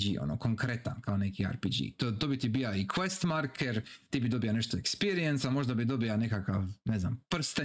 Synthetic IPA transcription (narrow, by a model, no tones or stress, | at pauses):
d͡ʒḭʔo̰no̰ko̞ŋkɾe̞t̪ankaone̞kia̰ɾpid͡ʒḭt̪ot̪obit̪ibiaikʰʋest̪maɾkʰeɾt̪iːbid̪o̞bijane̞ʃt̪oekspiɾijensamo̞ʒd̪abid̪o̞biane̞kakaʋne̞znampr̩st̪e